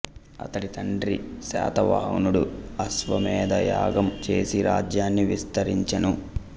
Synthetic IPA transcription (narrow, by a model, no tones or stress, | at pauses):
ɐ̰t̪ɐʈit̪ɐɳɖɾisa̰ːt̪ɐʋa̰ːnuɽuɐsʋɐmɛːd̪ɐja̰ːɡɐmt͡ʃe̞ːsiɾʔaːd͡ʒjaːnːiʋist̪ɐɾiɲt͡ʃɐnu